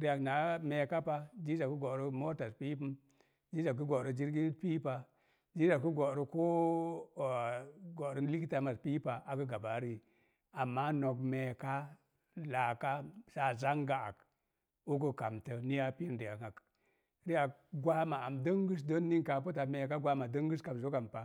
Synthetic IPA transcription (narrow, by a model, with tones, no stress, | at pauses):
ɾi˦ja˨kna˨me˨ka˦pa˦d͡ʒi˦d͡ʒa˨ku˦ɡo˨ɾə˦mo˦ta˨spi˦pə˦m | d͡ʒi˦d͡ʒa˨k̬u˦ɡo˨ɾə˨d͡ʒi˦ɾɡi˦n˦pi˦pa˨ | d͡ʒi˦za˨ku˦ɡo˨ɾə˦ko˦˨ | ɡo˨ɾə˦li˦ki˦ta˨ma˨spi˦pa˨a˨kə˦ɡa˨ba˨˦ɾi˨ | a˨mːa˦no˨kme˨ka˦ | la˨ka˦sa˦za˦ŋɡa˨a̰˨k | u˦kə˨ka˨mtə˨ni˦ja˦pi˦i˦ndi˨a˨ka˨k | ɾi˦a˨ɡʷwa˦ma˨a˨mdə˦ŋɡu˦s̬do˦nːi˦ŋka˨pu˦ta˨me˨ka˦ɡʷa˦ma˨də˦ŋɡu˦ska˨m˨zo˦ka˨mpa˨